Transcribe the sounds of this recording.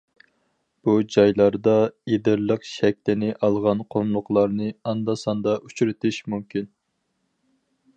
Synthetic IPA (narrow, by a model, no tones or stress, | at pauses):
b̥ud͡ʒɑjlˠɑɾd̪ɑed̪ɪɾlˠəqʃɛk̚ʲt̪ɪnɪʔɑlˠʁɑnqʰomlˠʊqlˠɑɾnɨɑnd̪ɑsɑnd̪ɑut͡ʃyɾɪt̪ʰɪʃmumkʲin